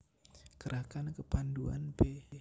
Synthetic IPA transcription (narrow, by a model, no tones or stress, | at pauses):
ɡ̥əɾakankəpandua̰nbe